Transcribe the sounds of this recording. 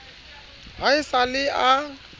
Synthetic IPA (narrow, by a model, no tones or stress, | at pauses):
baɪsalɪa